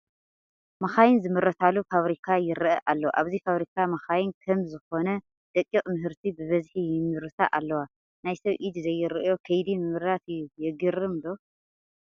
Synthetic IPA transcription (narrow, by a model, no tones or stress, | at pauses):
mɐxajɪnzɨmɨɾɐt̪ʰalufaβɾikʰajɪɾɨʔɐʔalːoʔaβzifaβɾikʰamɐxajɪnkʰɐmzɨxo̞nɐ | d̪̥ɐkʼːikʼmɨɦɨɾt̪ʰibɨβɐzħijɪmːɨɾɨt̪ʰa̰ʔalːɐwa | najsɐβʔid̪zɐjːɨɾɨʔɨjo̞kʰɐjd̪imɨmɨɾat̪jɛɡɨɾɨmd̪o